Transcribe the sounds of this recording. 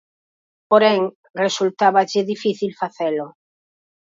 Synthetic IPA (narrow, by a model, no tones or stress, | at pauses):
poɾɛŋ | result̪aβaʎɪðifiθilfaθelʊ